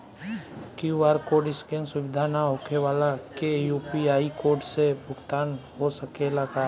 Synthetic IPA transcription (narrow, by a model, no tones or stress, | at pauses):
kuʋaːɾkoɖɪskẽnsʊʋɪd̪ʱanaɦoːkeʋaːlakejuːpiaːikoːɾɖsebʱʊɡt̪aːnɦosəkelaɡa